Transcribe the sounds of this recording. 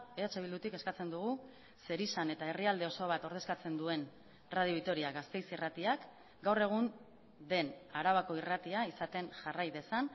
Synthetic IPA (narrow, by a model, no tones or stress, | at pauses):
eat͡ʃe̞β̞ild̪ut̪ikeskat͡se̞nd̪uɣ̞u | se̞ɾisane̞t̪ae̞riald̪e̞o̞so̞β̞at̪o̞ɾð̞e̞skat͡se̞nd̪ue̞n | raðioik̚t̪o̞ɾiaɣast̪e̞jsirat̪iak | ɡawre̞ɣ̞un | d̪e̞naɾaβako̞irat̪iaisat̪e̞nʝarajðe̞san